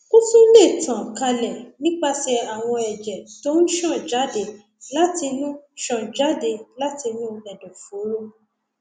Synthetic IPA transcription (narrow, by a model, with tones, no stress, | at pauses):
ku˦fũ˦le˦˨tã˨ka˧lɛ˨nĩ˦k͡pa˧sɛ˧a˨w̃ɔ̃˧ɛ˨d͡ʒɛ˨to˦n̩˦ʃã˦˨d͡ʒa˨˦de˧˨ | la˦ti˧nũ˦ʃɔ̃˦˨d͡ʒa˦de˧la˦ti˧nũ˦lɛ˨dɔ̃˨fo˨˦ɾo˦